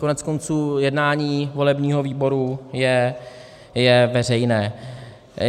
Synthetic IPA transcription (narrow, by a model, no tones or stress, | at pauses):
konɛt͡skont͡suːjɛdnaːɲiːvo̞lɛbɲiːɦo̞viːbo̞ɾujɛ | jɛvɛr̝ɛjnɛː